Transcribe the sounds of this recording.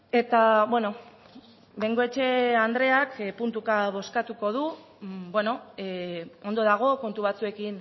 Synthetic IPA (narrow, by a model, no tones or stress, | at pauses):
e̞t̪aβwe̞no̞ | beŋɡo̞e̞t͡ʃe̞and̪ɾe̞akpunt̪ukaβo̞skat̪uko̞ð̞u | bwe̞no̞ | ond̪o̞ðaɣ̞o̞ko̞nt̪uβat͡sue̞kin